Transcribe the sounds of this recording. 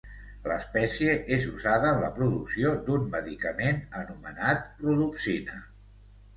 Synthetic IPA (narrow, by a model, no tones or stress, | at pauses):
ləspɛsiəʔezuzaðəəːnləpɾuðuksiod̪unməðikəmenənumənat̪̚pɾuðuksinə